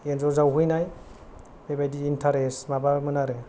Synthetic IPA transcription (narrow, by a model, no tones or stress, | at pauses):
enzɔzawɦɯjnaj | bebajdiːntʰaɾesmabamɯnaɾe